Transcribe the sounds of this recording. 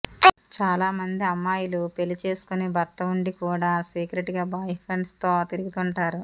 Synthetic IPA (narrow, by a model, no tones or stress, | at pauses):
t͡ʃaːlaːmɐnd̪iɐmːaːjilupe̞lit͡ʃe̞ːsu̥kunibɐɾt̪ɐuɳɖikuːɽaːsiːkɾeʈɡaːbaːjpʰɾeɳɖst̪o̞ːt̪iɾiɡit̪uɳʈaːɾu